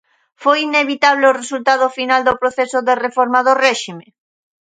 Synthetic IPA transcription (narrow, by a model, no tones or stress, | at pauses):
fojineβ̞it̪aβleoresult̪að̞ofinald̪opɾoθesoðerefɔɾmaðorɛʃime